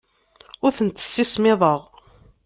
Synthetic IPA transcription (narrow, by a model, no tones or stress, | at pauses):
ʊɾθənt̪ːə̥sːismɪðˤəʁ